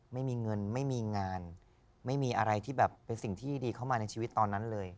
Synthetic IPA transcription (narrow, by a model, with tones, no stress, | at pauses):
ma˥˩jmiː˧ŋɤ˧nma˥˩jmiː˧ŋaː˧n | ma˥˩jmiː˧ʔa˧ɾa˧jt̪ʰiː˥˩bɛː˨˩pːe˧nsi˨˩ŋt̪ʰiː˥˩diː˧kʰa˥˩wmaː˧na˧jt͡ɕʰi˧wt̪ːɔː˧nːa˦˥nlɤː˧j